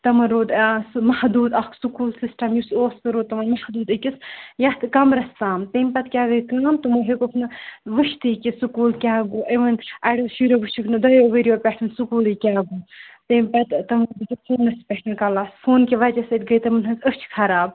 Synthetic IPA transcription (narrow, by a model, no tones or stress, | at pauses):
t̪ɐmɐɾoːd̪smɐhd̪uːd̪ɐkʰsukuːlsisʈɐmjusoːskɨɾoːd̪ɐmɐnmɐhd̪uːd̪ɨkʲisjɐht̪ɨkɐmɾɐst̪aːmt̪eːmʲpɐt̪kʲaːɡɐjkaːmt̪umɐɦekokʰnɨʋɨʃt̪ɨkʲisukuːlkʲaːɡoːʔɐʋɐnʔɐɖɐʃiɾoʋɨʃukʰnɨd̪ɐjoːʋeɾijoːpʲɛʈʰɨnsukuːlikʲaːɡoːt̪eːmpɐt̪t̪ɐmod̪ɨkʲifʰoːnːɐspʲɛʈʰɨnkɐlaːsfʰoːnkʲeʋɐd͡ʒɐsɐt̪ɡɐjt̪ɐmɨnɦɐzət͡ʃʰkʰɐɾaːb̚